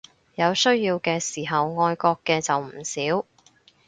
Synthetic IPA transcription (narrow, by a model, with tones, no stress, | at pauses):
jɐ˨˧wsɵ˥ɥjiː˧wkɛː˧siː˨˩ɦɐ˨wŋɔː˧jkɔː˧kːɛː˧t͡sɐ˨wm̩˨˩siː˨˥w